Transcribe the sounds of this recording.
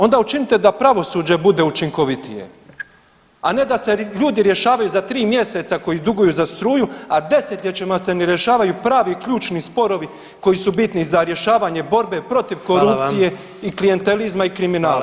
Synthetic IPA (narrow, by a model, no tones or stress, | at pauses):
o̞nd̪aut͡ʃinit̪e̞d̪apɾaʋo̞suːd͡ʑe̞bud̪e̞ut͡ʃiŋko̞ʋit̪ije̞̰ | ane̞d̪ase̞ʎuːd̪iɾje̞ʃaːʋajuzat̪ɾiːmje̞se̞t̪sako̞jid̪uɡujuːzast̪ɾuːjuad̪e̞set̪lʎʲet͡ɕemaseneɾje̞ʃaːʋajupɾaːʋikʎuːt͡ʃnispo̞ɾo̞ʋi | ko̞jisubit̪nizaɾje̞ʃaːʋaɲe̞bo̞ɾbe̞pɾo̞t̪iʋko̞ɾup̪ije̞ | iklije̞nt̪e̞lizmaikɾiminaːla